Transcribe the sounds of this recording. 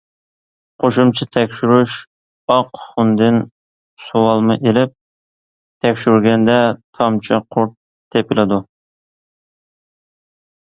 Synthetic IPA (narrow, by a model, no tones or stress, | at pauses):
qʰoʃumt͡ʃʰit̪ʰɛkʲʃyɾyʃ | ɑqχund̪ɪn | sowɑlˠmɨʔelɪp̚ | t̪ʰɛkʲʃyɾɡʲɛnd̪ɛt̪ʰɑmt͡ʃʰɑqʰoɾt̪̚ʰː | epɪlɪd̪u